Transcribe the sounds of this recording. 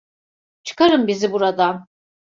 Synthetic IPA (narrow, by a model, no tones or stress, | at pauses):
t͡ʃʰɯ̥kaɾɯmbizibuɾad̪a